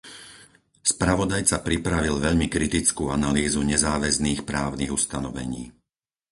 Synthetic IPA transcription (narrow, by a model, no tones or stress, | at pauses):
spɾaʋɔd̪ajt͡sapɾipɾaʋilʋɛʎmikɾit̪it͡skuːanaliːzuɲɛzaːʋɛzniːxpɾaːʊniːɣust̪anɔʋɛ̰ɲiː